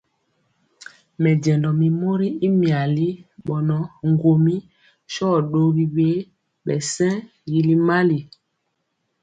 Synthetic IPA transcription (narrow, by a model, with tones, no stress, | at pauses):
mɛ˨ɟɛ̃˨ndɔ˨mi˨mo˦ɾi˦i˦mi˨a˨li˦ɓɔ˨nɔ˦ŋ˦ɡo˨mi˦ | ʃɔ˦˨ɗo˦ɣi˦ɓe˦ | ɓɛ˨sɛ̃˦ | ji˨li˦ma˦li˨